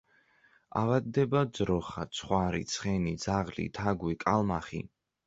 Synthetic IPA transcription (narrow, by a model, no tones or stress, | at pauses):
a̰vad̪ːɛbad̪zɾɔχat̪sʰχwaɾḭt̪sʰχɛnid̪zaʁlḭt̪ʰaɡwikʼalmaχḭ